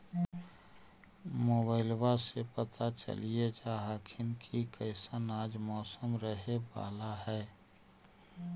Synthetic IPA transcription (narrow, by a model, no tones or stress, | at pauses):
moːbaːɪlwasepət̪at͡ʃə̰lied͡ʒaːɦəkʰɪnkʰikəɪsənaːd͡ʒmɔːsəmɾəɦeba̰ːlaɦɛː